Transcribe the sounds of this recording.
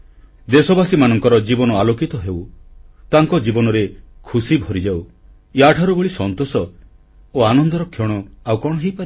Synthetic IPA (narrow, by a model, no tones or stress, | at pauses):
d̪esɔbasimanɔŋkɔɾɔd͡ʒibɔnɔalokit̪ɔɦewt̪aŋkɔd͡ʒibɔnɔɾekʰusibʱɔɾid͡ʒaw | jaʈʰaɾubeɭisɔnt̪osɔ | oanɔnd̪ɔɾɔkʰːjɔɽ̃ɔawkɔɽ̃ɔɦejpaɾ